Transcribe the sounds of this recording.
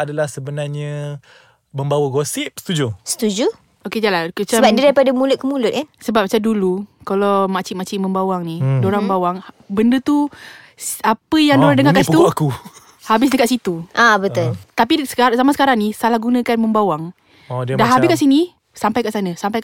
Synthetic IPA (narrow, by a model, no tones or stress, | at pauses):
adalahsəbənarɲə | məmbawəɡosip̚st̪ud͡ʒusə̥t̪ud͡ʒu | oked͡ʒalakət͡ʃabadidaɾipadamulʊt̪̚kəmulʊt̪ɛsəbap̚mat͡ʃamdulukalawmat͡ʃɪʔmat͡ʃiʔmə̃mbawaŋnidoɾaməmbawaŋ | bəndət̪u | apəjaŋdoɾadəŋakansipt̪uaku | habɪs̬dəkaʔsit̪uʔabət̪ʊlt̪ap̬isə̥kasamasə̥kaɾaŋnisalahɡunə̃kanmə̃mbawaŋ | odiədaɦabɪskaʔsini | sampajkaʔsanə̃sampaj